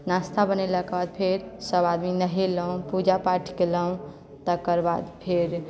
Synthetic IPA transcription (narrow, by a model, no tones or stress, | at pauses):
nast̪ʰabənelakebad̪̚pʰeɾsəbad̪minəɦeləũpud͡ʒapaʈʰkeləũ | t̪əkəɾbad̪pʰeɾ